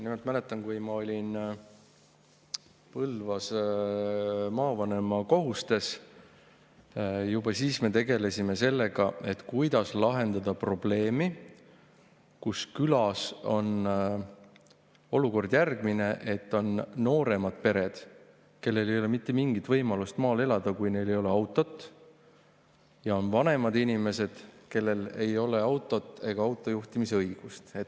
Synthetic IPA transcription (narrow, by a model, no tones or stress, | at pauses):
nimelt̪mæle̞t̪ˑːɑnkujmɑo̞lʲin | pɤlvɑs | mɑːvɑne̞mɑko̞ɦust̪e̞s | jubɑsiːsme̞t̪e̞ɡe̞le̞sʲime̞se̞lːe̞ɡ̥ɑe̞t̪ːkujd̪ɑslɑɦe̞nd̪ɑd̪̥ɑpro̞ble̞ːmi | kuskylɑso̞n | o̞luko̞rd̪̥jærɡ̥mine̞ʔe̞t̪ːo̞nːo̞ːɾe̞mɑd̪̥pe̞ɾed̪̥ | ke̞lːe̞le̞jo̞le̞mit̪ːe̞miŋɡ̥it̪vɤjmɑlust̪mɑːle̞lɑd̪̥ɑkujne̞jle̞jo̞le̞ɑwt̪ːˑo̞t̪ːˑ | jɑo̞nvɑne̞mɑd̪̥inʲime̞se̞d̪̥ke̞lːe̞le̞jo̞le̞ɑwt̪ːˑo̞t̪ːˑe̞ɡ̥ɑɑwt̪ːˑo̞juht̪imiseɤjɡ̥ust̪et̪ː